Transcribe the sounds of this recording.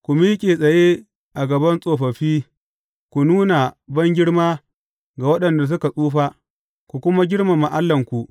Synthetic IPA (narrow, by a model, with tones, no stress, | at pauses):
kʷu˨miː˦kʲʼe˨sʼɐ˨je˦ | ʔa˨ɡɐ˨bɐ˦nsʼoː˨ɸɐ˨ɸiː˦ | kʷu˨nuː˦na˨bɐ˦ŋɡʲɪ˦ɽmaː˦ | ɡa˨wɐ˦ɗɐ˨nda˨s̬ʊ˦ka˨sʼuː˦ɸa˦ | kʷu˨kʷʊ˦ma˦ɡʲɪ˦ɽma˨ma˨ʔa˦lːɐ˨ŋkʷu˨ʔ